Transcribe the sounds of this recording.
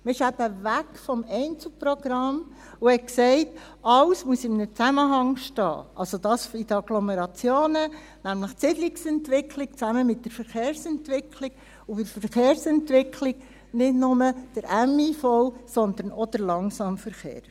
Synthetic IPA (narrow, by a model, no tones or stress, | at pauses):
mɪʃæbəʋækfɔmɛɪnt͡sl̩ˠpɾɔɡ̥ɾɑm | ʊhɛksɛɪt | ɑwsmuəsɪmnət͡sæməɦɑŋʃtɑ̰ːʔɑlsod̥̪ɑːsidəɑɡlɔmeɾɑt͡sjoːnə | næmləχtt͡sɪdliksɛntʋɪkʰlik̚t͡sæməmɪtːdəɾfəɾχeːɾsɛntʋɪkʰliɡ̥ | ʊfɪɾfəɾχeːɾsɛntʋɪkʰliɡ̥ | nɪdnʊməd̥əɾʔæmifɔwsɔnd̪əɾnɔd̪̥əɾlɑŋsɑmfəɾχḛːɾ